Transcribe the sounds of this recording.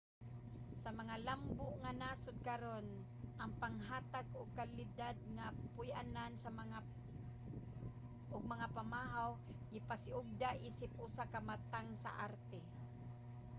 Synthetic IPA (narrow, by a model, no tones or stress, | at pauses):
samaŋalambʊʔŋanaːsʊd̪̚kaɾon | ʔaŋpaŋɦaːt̪aɡʊɡ̚kalɪd̪ad̪̚ŋapʊjʔa̰nansamaŋa | ʔʊɡ̚maŋapamaɦaw | ɡɪpasɪʔʊɡ̚d̪aʔiːsɪp̚ʔʊsakamat̪aŋsa̰ʔaɾt̪ɛ